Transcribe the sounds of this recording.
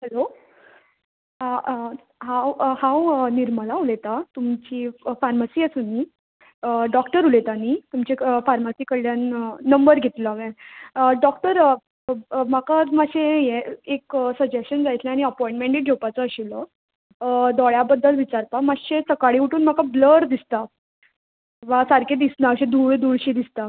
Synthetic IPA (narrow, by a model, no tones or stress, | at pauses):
həlo | ɦãwhãwəniɾməlaulet̪at̪umt͡ɕiːfaɾmasiːəsuni | ɖɔkʈəɾulet̪anit̪umt͡ɕefaɾmasiːkəljanːəmbəɾɡʱet̪ləʋẽɖɔk̚ʈəɾ | makamaɕẽjeeksəd͡ʑesɕənd͡zajt̪ʰlãaɽ̃iəpɔĩɳʈmẽɳʈid͡ʑʱopat͡səəɕilə | d̪ɔɭjabəd̪ʱːəlʋit͡ɕaɾpamaɕesəkaɽiuʈuːnm̤akabləɾd̪ist̪a | ʋasaɾked̪isnaəɕẽd̪uːɭd̪uɭɕid̪ist̪a